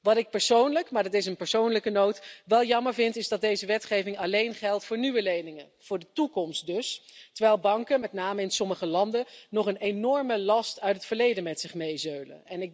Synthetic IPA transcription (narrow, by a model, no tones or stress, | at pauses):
ʋɑtɪk̚pɛɹsownləkmaːɹdɑtɪs̬ənpəɹsownləkənowtʋɛlˠjɑməɹvɪntɪzdɑt̚dejzəʋɛtχejvɪŋɑlejnχɛlˠtfʊːɹnyʋəlejnɪŋə | v̥ʊːɹdətukɔmst̚dɵstəɹʋɛjlˠbɑŋkənmɛtnaːməɪnsɔməχəlɑndənɔχənejnɔɹməlɑstœɥtətfəɹlejdənmɛtsɪχmejzølə̰nɛnɪk̚